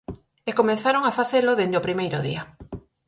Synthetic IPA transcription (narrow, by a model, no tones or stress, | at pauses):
ekomẽnθaɾoŋafaθeloðend̪eopɾimejɾʊ̰ðḭa